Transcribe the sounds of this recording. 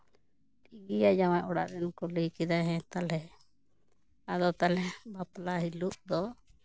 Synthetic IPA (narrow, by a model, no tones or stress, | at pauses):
tiɡijad͡ʒamajʔɔɽa̰ʔd̪ɛnkɔləjkɛd̪aɦɛ̃t̪alɛ | ad̪ɔt̪alɛbaplaɦiluʔd̪ɔ